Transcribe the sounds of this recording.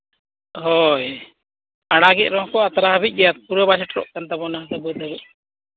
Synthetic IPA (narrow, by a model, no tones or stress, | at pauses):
ɦɔj | aɽaɡɛc̚ˀɾɔɦɔkɔat̪aɾaɦbic̚ˀɡɛjat̪̚puɾəbasɛʈɾɔ̰ʔkant̪abɔnaɦd̪əbud̪əbɛʔ̚